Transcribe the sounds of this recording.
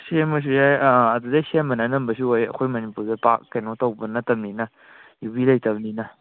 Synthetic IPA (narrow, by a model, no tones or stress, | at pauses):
semɐs̬ujajaːdudasemɐnanɐmbɐs̬uojɐ̰kʰojmɐnipuɾzepakkːajnotawbənɐtɐmninɐ | jubilajtabninɐ